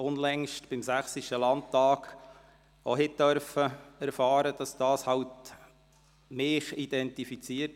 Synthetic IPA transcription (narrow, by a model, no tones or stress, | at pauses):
ʊnlɛŋʃtb̥ɪmsæχsiʃəlɑnttɑːɡ̥ | oɦɪt̚d̥œɾfəæɾfɑːɾəd̥ɑsd̥ɑːshɑwt | mɪːχid̥ɛntifit͡siət